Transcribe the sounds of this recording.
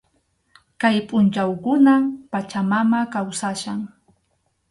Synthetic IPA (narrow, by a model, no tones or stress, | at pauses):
kajpʼʊnt͡ʃawkʊnampat͡ʃamamakawsaʃaŋ